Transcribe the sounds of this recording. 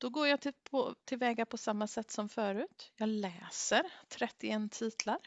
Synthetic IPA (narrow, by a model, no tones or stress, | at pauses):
d̪̥ɔɡoːɾjɑːpʰɔt̪ʰɪlvɛːɡapʰɔsamːasɛt̪ːsɔmfœːɾʉ̟ːt̪jɑːlɛːsəɾt̪ʰɾɛt̪ːɪɛnt̪ʰiːt̪ʰlaɾ